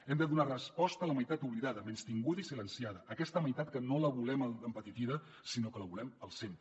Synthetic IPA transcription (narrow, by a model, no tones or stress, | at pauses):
ɛmd̪əðunarəspɔst̪ələməjt̪at̪uβliðaðəmenst̪iŋɡuðəisilənsiaðəːkɛst̪əməjt̪at̪kənoləβulɛmədəmpət̪it̪iðə | sinokələβulɛməlˠsemp̪ɾə